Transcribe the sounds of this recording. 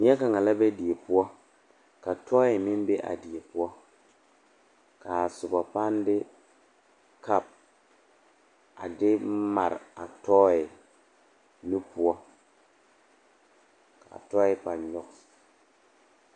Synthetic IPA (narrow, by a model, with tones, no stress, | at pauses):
mi˦a˦ka˨ŋa˨la˦be˦di˨e˨pu˦ɔ˦ | ka˨tʰɔː˦i˨mi˦nbe˦ʔa̰˨di˨e˨pu˦ɔ˦ | ka˨su˨ba˨pa˦ndɪ˦ | ka˦˨p̚ | a̰˨dɪ˦ma˨ɾa˨tɔː˦i˨ | nu˦pu˨ɔ˦ | ka̰˨tɔ˦i˦pa˨ɲɔ˦k̚